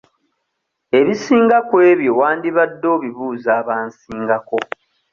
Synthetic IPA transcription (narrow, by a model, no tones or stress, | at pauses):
e̞βisiːŋɡakwe̞ːβjo̞waːndiβadːo̞ːβiβuːzaːβaːnsiːŋɡako̞